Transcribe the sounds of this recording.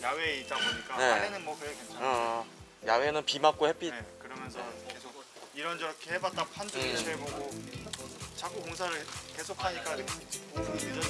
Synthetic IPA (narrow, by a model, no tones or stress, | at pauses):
jaweit͈aboɲik͈ane̞aenɯnmwʌkɯekent͡ɕʰaʌ | jawe̞nɯnpimak̚k͈ohep͈ʰidkɯɾʌmjʌnsʰʌkesʰok̚ | iɾʌnd͡ʑʌɾkʰeɦebat̚t͈apʰand͡ʑɯɡieboɡo | t͡ɕak͈ukoŋsʰaɾɯke̞sʰokʰaɲik͈aikʰt͡ɕpoɡid͡ʑʌ